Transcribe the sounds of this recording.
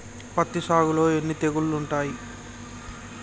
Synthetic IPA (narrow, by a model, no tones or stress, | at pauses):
pɐt̪ːisaːɡulo̞ːenːit̪eɡulluɳʈaːji